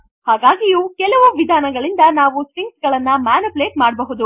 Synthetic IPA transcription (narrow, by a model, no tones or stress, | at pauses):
haːɡaːɡijuːkɛlɐʋuʋid̪ʱaːnɐɡɐɭind̪ɐnaːʋusɾiŋksɡɐɭɐnːɐmaːnɐpleːʈmaːɽbɐɦud̪u